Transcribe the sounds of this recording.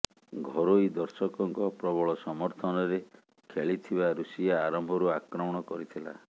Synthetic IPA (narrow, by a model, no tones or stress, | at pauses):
ɡʱɔɾojd̪ɔɾsɔkɔŋkɔpɾɔbɔɭɔsɔmɔɾt̪ʰɔnɔɾe | kʰeɭit̪ʰibaɾusijaːɾɔmbʱɔɾuakɾɔmɔɽ̃ɔkɔɾit̪ʰila̰